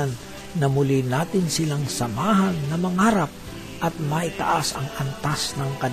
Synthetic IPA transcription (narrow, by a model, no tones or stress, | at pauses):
nː | ɐmʊlinaːt̪ɪnsɪlaŋsɐmaːɦɐnːɐmɐŋaːɾɐp̚ | ʔɐt̪̚mɐʔɪt̪ɐ̰ʔasɐ̰ŋʔɐnt̪asnɐŋkɐd